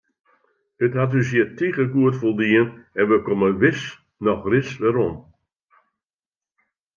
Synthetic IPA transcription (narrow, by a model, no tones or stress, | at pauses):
ətɦat̬ys̬jiətiɣəɡuətfolˠdiənɛnʋəkɔməʋɪs | nɔxrɪsʋɛɾɔm